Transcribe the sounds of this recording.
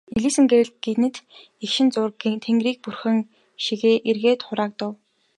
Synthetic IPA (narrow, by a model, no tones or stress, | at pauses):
eɮiːsɘ̆ŋɡewɘ̆ɮ̚ɡet̪nɘ̆t̪ | ekʃɪ̆nt͡sʊrt̪ʰeŋɡɾiːk̚purxɘ̆ŋ | ʃiɣeːʔerɣeːt̪χʊɾaːk̚t̪ʊw